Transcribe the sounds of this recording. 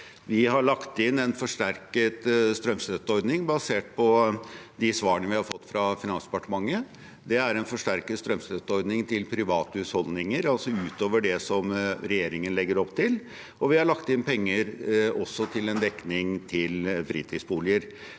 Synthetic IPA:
ʋɪɦɑɭɑkt̪ɪnːɛnfɔʂʈæɾkət̪st̪ɾœmst̪œt̪ːɔɾd̪nɪŋbɑseːʈ̚pʰɔd̪ɪsʋɑːəɳəʋɪhɑɾfɔt̪ːfɾɑfɪnɑnsd̪ɛpɑʈəmɑŋːə | d̪ɛæɾɛnfɔʂʈæɾkət̪st̪ɾœmst̪œt̪ːɔɾd̪nɪŋt̪ʰɪlpʰɾɪʋɑːt̪əʉt̪hɔld̪nɪŋəɾɑlsɔʉːt̪oːʋəɖɛsɔmɾɛjeːɾɪŋənlɛɡːəɾɔpt̪ʰɪl | ɔʋɪhɑɭɑkt̪ɪnpʰɛŋːəɾɔsɔt̪ʰɪlɛnd̪ɛkːnɪŋt̪ʰɪlfɾiːt̪ʰiːsbuːlɪəɾ

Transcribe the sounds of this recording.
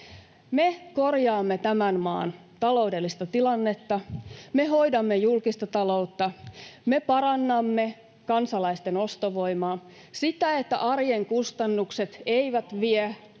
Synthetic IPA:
meko̞rjɑːmːet̪æmænmɑ̰ːn | t̪ɑlo̞wdelːist̪ɑt̪ilɑnːe̞t̪ːɑmeɦo̞jdɑmːejulkist̪ɑt̪ɑlo̞uwt̪ːɑmepɑrɑnːɑmːe̞ | kɑnsɑlɑist̪eno̞st̪oʋo̞jmɑː | sit̪æet̪ːæ̰ʔɑrjeŋkust̪ɑnːukse̞t̪eiʋæt̪ʋie

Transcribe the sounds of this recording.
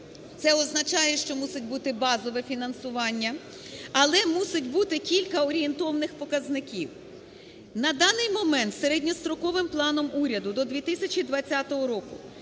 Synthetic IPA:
t̪sɛɔznɐt͡ʃɑjɛʃt͡ʃɔmusɪtʲbut̪ɪbɑzɔʋɛfʲinɐnsʊʋɑnʲːɐ | ɐlˠɛmusɪtʲbut̪ɪkʲilʲkɐɔɾʲient̪ɔwnɪxpɔkɐznɪkʲiw | nɐd̪ɑnɪjmɔmɛnt̪seɾedʲnʲɔst̪ɾɔkɔʋɪmplˠɑnɔmuɾʲɐd̪ʊd̪ɔd̪ʲʋʲit̪ɪsʲɐt͡ʃʲid̪ʋɐt͡sʲːat̪ɔɦɔɾɔkʊ

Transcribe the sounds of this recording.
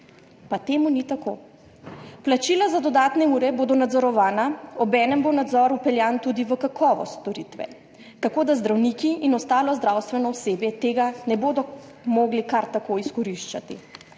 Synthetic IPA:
pat̪eːmunit̪ako̰ | plat͡ʃiːlazad̪ɔd̪aːt̪nɛuːɾɛboːd̪ɔnad̪zɔɾɔʋaːnaɔbɛːnɛmbonad̪zɔɾupɛljaːnt̪ud̪iʋəkakʰɔːʋɔ̰st̪ɔɾit̪ʋɛ̰ | t̪akoːd̪azd̪ɾawnikiʔinɔst̪aːlɔzd̪ɾawst̪ʋɛnɔɔseːbjɛt̪eːɡanɛboːd̪ɔ | moːɡlikaɾt̪akoiskɔɾiʃt͡ʃat̪ḭ

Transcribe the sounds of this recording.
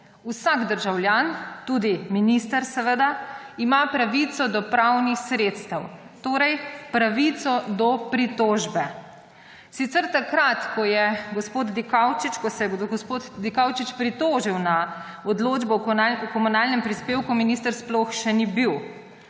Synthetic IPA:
usaɡd̪əɾʒawljaːnt̪ud̪iminist̪əɾsɛʋəd̪aimapɾaʋit̪sɔd̪ɔpɾawnixsɾeːt̪st̪əw | t̪oːɾɛjpɾaʋit̪sɔd̪ɔpɾit̪oːʒbɛ | sit̪sɛɾt̪akɾat̪kɔjɛɡɔspoːd̪d̪ikawt͡ʃit͡ʃkɔsɛɛɡɔspot̪d̪ikawt͡ʃit͡ʃpɾit̪oːʒiwna | ɔd̪loːd͡ʒbɔkɔmunalnɛmpɾispeːwkuminist̪əɾsplɔxʃɛnibiw

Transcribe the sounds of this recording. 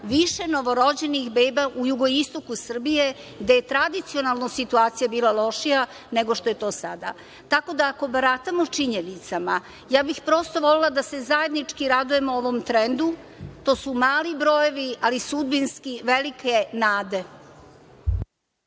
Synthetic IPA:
ʋiʃe̞no̞ʋo̞ɾo̞d͡ʑe̞nixbeːbaʔujuɡo̞ist̪o̞kusr̩bije̞ɡd̪ejet̪ɾad̪it̪sio̞nalˠnosit̪uaːt̪sijabiːlˠalo̞ʃija | ne̞ɡo̞ʃt̪ojet̪o̞ːsad̪a̰ | t̪ako̞d̪aːko̞baɾat̪amot͡ʂiɲenit̪sama | jaːbixpɾo̞st̪o̞ʋo̞lelˠad̪ase̞zaje̞d̪nit͡ʂkiɾad̪uje̞mooʋomt̪ɾend̪u | t̪o̞ːsumaːlibɾo̞jo̞ʋialisud̪binskiʋelike̞naːd̪e̞

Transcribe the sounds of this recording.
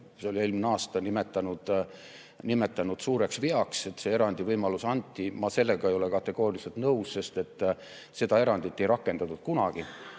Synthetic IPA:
seolie̞ːlmineɑːst̪ɑnime̞t̪ːˑɑnud̪̥ | nime̞t̪ːˑɑnud̪̥suːɾe̞ksviɑkse̞t̪se̞e̞ɾɑnʲd̪̥ivɤjmɑlusɑnʲt̪ˑːimɑse̞lːeɡ̥ɑejo̞le̞kɑt̪ːˑe̞ɡ̥o̞ːɾʲilise̞lt̪nɤwsse̞st̪e̞t̪ˑː | se̞d̪ɑe̞ɾɑnd̪̥it̪ːˑe̞jɾɑkːe̞nd̪̥ɑt̪ːut̪̚kunɑɡ̥i

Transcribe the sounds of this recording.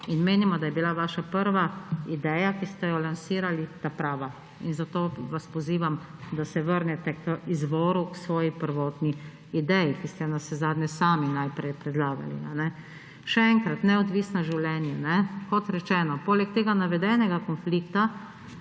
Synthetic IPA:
inmeːnimɔd̪ajɛbilaʋaːʃapəɾʋaid̪ɛːjakist̪ɛjɔlansiːɾalit̪apɾaːʋa | ḭnzat̪oːʋaspɔziːʋamd̪asɛʋəɾnɛt̪ɛkəizʋɔːɾuksʋɔːjipəɾʋɔːt̪niː | d̪ɛjikist̪ɛnasɛzaːd̪nɛsaːminajpɾɛjpɾɛd̪laːɡa̰lḭanɛ | ʃɛɛŋkɾat̪nɛɔd̪ʋiːsnaʒiwlɛnjɛnɛkɔt̪ɾɛt͡ʃɛːnɔpoːlɛk̚t̪eːɡanaʋɛd̪ɛːnɛɡakɔnfliːkt̪a

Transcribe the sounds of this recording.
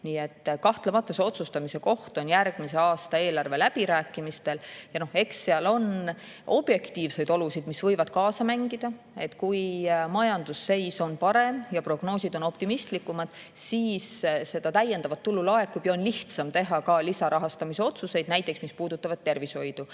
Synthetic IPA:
niːet̪ːkɑht̪lemɑt̪ːˑoseo̞t̪sust̪ɑmise̞ko̞ht̪o̞njærɡ̥mise̞ɑːst̪ɑe̞ːlɑrve̞læb̥iɾæːkːˑimist̪e̞ljɑno̞he̞ksːeɑlo̞n | ʔo̞b̥je̞kt̪iːvse̞jd̪o̞lusid̪̥misvɤjvɑd̪̥̚kɑːsɑmæŋɡid̪̥ɑ | e̞t̪ːkujmɑjɑnd̪̥usːe̞jso̞npɑɾe̞mjɑpro̞ɡ̥no̞ːsid̪o̞no̞pt̪imist̪likːˑumɑd̪̥ | siːsːe̞d̪̥ɑt̪æjːe̞nd̪̥ɑvɑt̪ːulːulɑe̞kːˑubjɑo̞nliht̪sɑmt̪e̞ɦɑkɑlisɑɾɑɦɑst̪ɑmise̞o̞t̪suse̞jd̪̥næjt̪ˑːe̞ksmispuːd̪̥ut̪ːˑɑvɑd̥̪̚t̪ːe̞rvisho̞jd̪̥u

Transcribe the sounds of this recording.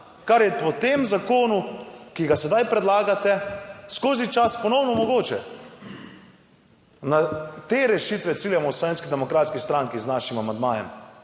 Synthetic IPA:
kaɾjɛpɔt̪eːmzakoːnukiɡasɛd̪ajpɾɛd̪laːɡat̪ɛskoːzit͡ʃaspɔnɔwnɔmɔɡoːt͡ʃɛ | nat̪eːɾɛʃit̪ʋɛt̪siːljamɔslɔʋeːnskid̪ɛmɔkɾaːt̪skist̪ɾaŋkiznaːʃimamand̪ma̰ːjɛ̰m

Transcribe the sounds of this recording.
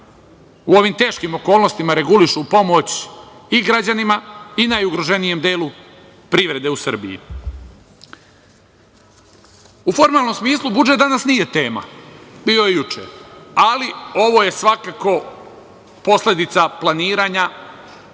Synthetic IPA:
uo̞ʋimt̪e̞ːʃkimo̞ko̞ːlˠno̞st̪imaɾe̞ɡuliʃupo̞mo̞t͡ɕiɡɾad͡ʑanimainajuɡɾoʒe̞nije̞md̪eːlu | pɾiʋɾe̞d̪e̞usr̩bḭjḭ | ufo̞ɾmaːlˠno̞msmiːslˠubud͡ʒet̪d̪anasnije̞t̪e̞ːma̰biːo̞jejut͡ʃḛalio̞ʋo̞je̞sʋakako̞ | po̞sle̞d̪it̪saplˠaniːɾaɲa

